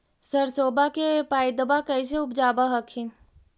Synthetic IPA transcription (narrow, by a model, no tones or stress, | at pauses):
səɾsoːbakepaːjd̪əbakəjs̬eʊpd͡ʒaːbaɦəkʰin